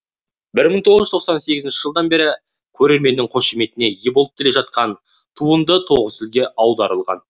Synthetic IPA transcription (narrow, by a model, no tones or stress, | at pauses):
bɪɾməɴt̪ʰo̞ʁəʒəzt̪ʰoqsɑnse̞ɡʲɪzɪnʃɪ̥ʒəlˠd̪ɑnbe̞ɾɪ | kʲʰɵɾe̞ɾme̞nːɪŋqʰo̞ʃime̞t̪ɪne̞jebolˠt̪kʲːʰele̞ʒɑt̪̚qɑn | t̪ʰuənd̪ət̪ʰo̞ʁəsɪlɡʲe̞ʔɑwd̪ɑɾəlˠʁɑ̰n